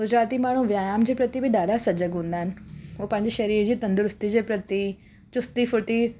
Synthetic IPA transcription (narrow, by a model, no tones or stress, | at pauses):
ɡʊd͡ʑɾaːt̪imaːɳ̤ũʋjaːjaːmd͡ʑeːpɾɐt̪ibɪɗaːɗasɐd͡ʑəɡɦũːn̆d̪aːɦɪnɪ̆oːpɐ̃ɦɪ̃ɲd͡ʑiʃɐɾiːɾd͡ʑiːt̪ɐ̃nd̪ʊɾʊst̪id͡ʑeːpɾɐt̪i | t͡ɕʊst̪ifʊɾt̪i